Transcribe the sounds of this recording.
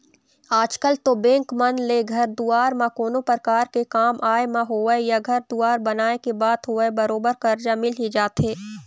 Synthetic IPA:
aːd͡ʒkəlt̪obɛ̃ːŋkmɐnleɡʱɐɾd̪uaːɾmãkoːnopɾəkaːɾkekaːmʔaːemãɦoːejaɡʱɐɾd̪uaːɾbɐnaːekebaːd̪ɦoːebɐɾoːbəɾkɐɾd͡ʒamɪlɦid͡ʒaːt̪ɦeː

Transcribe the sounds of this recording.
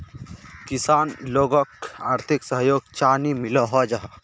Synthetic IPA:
kɪsaːnloːɡəkaːɾt̪ʰɪksəɦjoːɡ̚t͡ʃaːnimɪləɦɔd͡ʒaɦ

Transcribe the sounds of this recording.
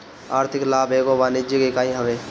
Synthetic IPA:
aːɾt̪ʰɪklaːbeːɡoʋaːnɪd͡ʒəkekaːĩɦəʋeː

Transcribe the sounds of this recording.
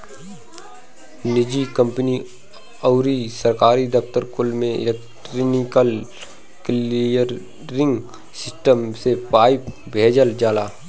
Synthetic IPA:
nɪd͡ʒikə̃mpni | əʊɾisəɾkaːɾid̪əkt̪əɾkʊlmẽɪ̰lek̚ʈɾnɪkəl | kliəɾː | ɪ̃ŋɡ | sɪsʈəmsepaːɪp | bʱeːd͡ʒəld͡ʒaːlaː

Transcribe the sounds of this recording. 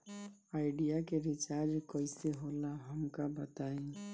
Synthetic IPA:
aːɪɖijakeɾɪt͡ʃaːɾd͡ʒkəiseɦoːlaɦəmkabət̪aːĩ

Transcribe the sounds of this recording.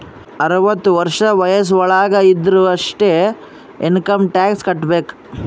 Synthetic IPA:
ɐɾʋɐt̪ːuʋɐɾʂɐʋɐjɐs̬ʋɐɭaːɡɐid̪ɾuɐʂʈe | inkɐmʈaːkskɐʈːbeːk

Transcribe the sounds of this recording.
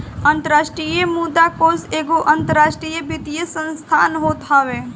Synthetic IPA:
ɐ̃nt̪əɾaːʃʈɾijemud̪akoːzeːɡoʔɐ̃nt̪əɾaːʃʈɾiːjəbɪt̪ijəsə̃nst̪ʰaːnɦoːt̪ɦaʋeː

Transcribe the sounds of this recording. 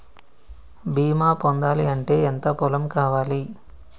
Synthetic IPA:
biːmaːpond̪aːliɐɳʈe̞ːent̪ɐpulɐmkaːʋaːli

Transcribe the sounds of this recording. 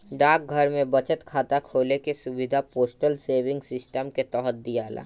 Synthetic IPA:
ɖaːk̚ɡʱɐɾmẽbɐt͡ʃət̪kʰaːt̪akʰoːlekesʊʋɪd̪ʱapoːsʈəlseːʋɪ̃ŋɡsɪsʈəmket̪ɔːɦət̪̚d̪ijaːla̰ː

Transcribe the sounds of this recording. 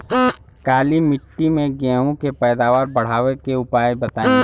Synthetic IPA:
kaːlimɪʈːimẽɡɛ̃ːɦõkepɛːd̪aːʋaːɾbɐɽ̤aːʋekeʊpaːjebɐt̪aːẽ

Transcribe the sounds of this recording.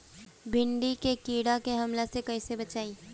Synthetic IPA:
bʱɪɳɖikekiːɽakeɦɐmlasekɐisebɐt͡ʃaːĩː

